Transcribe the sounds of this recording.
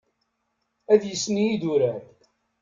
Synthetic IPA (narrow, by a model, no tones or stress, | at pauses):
æðjəsːniid̪uɾæɾ